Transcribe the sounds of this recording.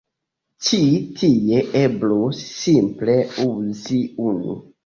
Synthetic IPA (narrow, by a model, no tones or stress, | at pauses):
t͡ʃitʰieʔeblosːimpleuziunṵ